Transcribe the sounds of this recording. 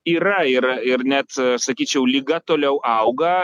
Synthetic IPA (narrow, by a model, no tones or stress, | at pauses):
iːɾɐɪɾɪrnʲɛt̪sɐkʲiːt͡ʃʲɛʊlʲiɡɐt̪oːlʲɛʊʔɐʊɡɐ